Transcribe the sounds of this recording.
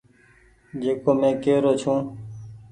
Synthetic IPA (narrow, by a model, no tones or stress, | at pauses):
d͡ʒeːkoːmẽːkeːɾoːt͡ʃʰũː